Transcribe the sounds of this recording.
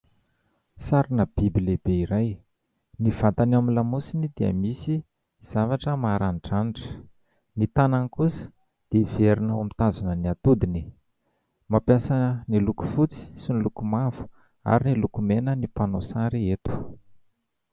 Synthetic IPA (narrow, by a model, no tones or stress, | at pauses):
saɾinəb̥ibilebeiɾaj | nivat̪anamilamusinid̪iə̰misi | z̥avaʈ͡ʂəmaɾanʈ͡ʂaniʈ͡ʂə̥ | nit̪anankusə̥ | d̪̥ev̥eɾinawamit̪azanəniat̪ud̪ini | mapjasaniluku̥fut͡si̥sinilukumavu̥ | a̰ɾinilukumenənipanosaɾiet̪u̥